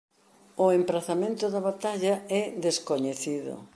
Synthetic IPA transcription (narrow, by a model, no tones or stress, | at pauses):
ʊempɾaθamẽnt̪ʊðɐβat̪aʎɐɛðeskoɲeθiðʊ̰